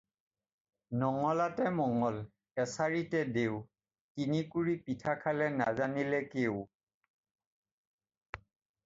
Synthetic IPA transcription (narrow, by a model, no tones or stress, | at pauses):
nɔŋɔlatɛmɔŋɔl | ɛsaɹitɛdeʊ | tinikuɹipitʰakʰalɛnazanilɛkeʊ